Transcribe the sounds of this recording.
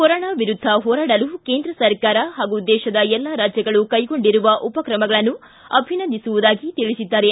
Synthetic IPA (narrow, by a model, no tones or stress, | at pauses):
kɔɾoːɳaːʋiɾud̪ʱːɐɦɔːɾaːɽɐluke̞ːnd̪ɾɐsɐɾkaːɾɐɦaːɡud̪ɛːʃɐd̪ɐɛlːaɾaːd͡ʒjɐɡɐɭukɐjɡo̞ɳɖiɾuʋɐʔupɐkɾɐmɐɡɐɭɐnːu | ɐbʱinɐnd̪isuʋud̪aːɡit̪iɭisid̪ːaːɾe